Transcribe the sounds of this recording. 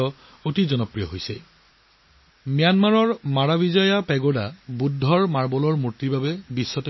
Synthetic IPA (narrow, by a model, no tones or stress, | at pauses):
ɔ | otizɔnɔpɹijɔ̰ɦojsɛ | mijanmaɹɔɹmaɹabizɔjapɛɡodabudʱːɔɹmaɹbɔlɔɹmuɹtːibabɛbisːɔtɔ